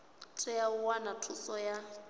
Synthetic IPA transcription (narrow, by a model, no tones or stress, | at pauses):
tʰɛjaʊwanatʰusɔja